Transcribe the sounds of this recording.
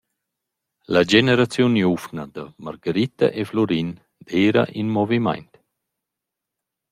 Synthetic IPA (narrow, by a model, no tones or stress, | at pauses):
lad͡ʒeneɾat͡sjunjufnad̪amaɾɡaɾit̪a̰ʔeflɔɾin | d̪eːɾa̰ʔinmɔvima̰jnt̪